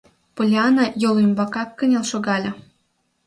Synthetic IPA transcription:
polʲeɑnɑjolymbɑkɑkːənʲelʃoɣɑlʲɤ̆

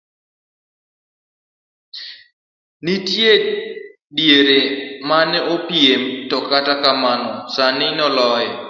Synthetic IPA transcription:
nitje | djeɾemanɛopjemtɔkatakamanɔsanɪnɔlɔjɛ

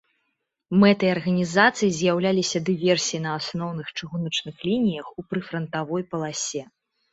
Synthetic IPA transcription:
mɛt̪ɐɐrɣɐnʲizat̪sɨjizʲjawlʲalʲisʲɐd̪ɨvʲɛrsʲijinɐasnɔwnɨxt͡ʂɨɣunɐt͡ʂnɨxlʲinʲijɐxupɾɨfɾɐnt̪avɔjpɐlˠasʲɛ

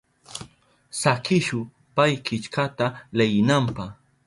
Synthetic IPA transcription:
sakɪʃʊ | pajkɪt͡ʃkat̪alajɪnampaχ

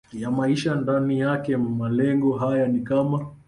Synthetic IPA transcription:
jamaiʃandanijakɛmalɛŋɡɔɦajanikama

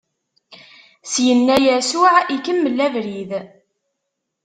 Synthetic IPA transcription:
sjənːæjæsuʕikəmːəlːævɾið

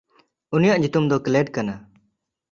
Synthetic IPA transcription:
unijaʔɲut̪umd̪ɔkleɖkana

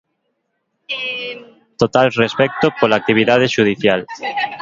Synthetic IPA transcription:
t̪ot̪alrespɛk̚t̪opolak̚t̪iβ̞iðað̞eʃuð̞iθjal

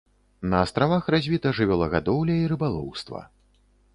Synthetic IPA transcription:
nɐːst̪ɾavaxrazʲvʲit̪ɐʐɨvʲɛlˠɐɣad̪ɔwlʲɐiɾɨbalˠɔ̰wst̪vɐ̰

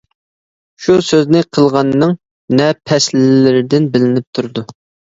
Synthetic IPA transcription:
ʃusøznɪqʰəlˠʁɑnːɨŋ | nɛpʰɛslɪlɪɾɪd̪ɪnbɪlɪnɪp̚t̪ʰuɾd̪u

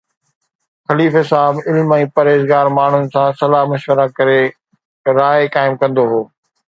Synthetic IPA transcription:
xɐliːfɦɪsaːɦbɪlmɛ̃iːpɐɾeːzɡaːɾmaːɳ̤ʊnɪ̆sãːsɐlaːɦmɐʃwəɾakɐɾe | ɾaːekaːɪmkɐ̃nd̪oɦoː

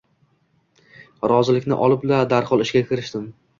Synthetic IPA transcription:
ɾɒzɪlɪkʲnɪ̰ʔɒlˠɪplad̪aɾχɒlˠɪʃɡʲakʲʰɪɾɪʃt̪ɪm

